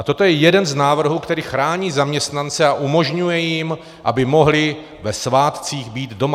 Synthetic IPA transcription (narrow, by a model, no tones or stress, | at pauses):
at̪o̞t̪ojɛjɛdɛnznaːvr̩ɦuːkt̪ɛɾiːxɾaːɲiːzamɲɛst̪nant͡sɛaʔumo̞ʒɲujɛjɪm | ʔa̰bɪmo̞ɦlɪ | vɛsvaːt̪t͡siːɣbiːd̪do̞ma